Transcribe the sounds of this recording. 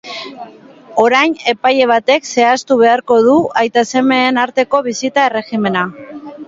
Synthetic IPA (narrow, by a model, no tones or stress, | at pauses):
o̞ɾajne̞paje̞β̞at̪e̞kse̞ast̪uβ̞e̞aɾko̞ðuajt̪ase̞me̞ːnaɾt̪e̞ko̞β̞isit̪ae̞re̞xime̞na